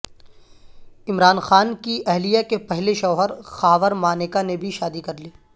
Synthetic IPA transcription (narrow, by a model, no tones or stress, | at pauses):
ɪmɾaːnxaːnkiʔɛɦlijakepɛɦleʃɔːɦəɾxaːʋəɾmaːnekanebʱiʃaːd̪ikɐɾliː